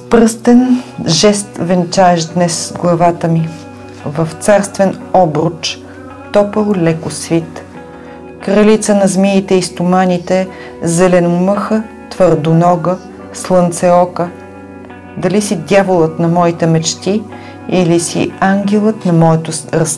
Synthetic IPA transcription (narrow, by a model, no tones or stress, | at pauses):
spɾɤst̪ɛnʒɛst̪vɛnt͡ʃaɛʃd̪nɛsɡlˠɐvat̪əmi | vəft̪saɾst̪vɛnɔbɾʊt͡ʃ | t̪ɔpəlˠlɛkʊsvit̪ | kɾɐlit̪sənɐzmiit̪ɛist̪ʊmanʲit̪ɛ | zɛlɛnʊmɤxə | t̪vəɾd̪ʊnɔɡə | slˠənt̪sɛɔkə | d̪ɐlisid̪ʲjavʊlˠət̪nɐmɔit̪ɛmɛt͡ʃt̪i | ilisḭaŋɡʲɛlˠət̪nɐmɔɛt̪ʊɾəs